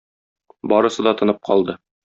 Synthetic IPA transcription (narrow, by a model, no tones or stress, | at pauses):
bɒɾɤ̆sɤ̆d̪ɑt̪ɤ̆nɤp̚qɒlˠd̪ɤ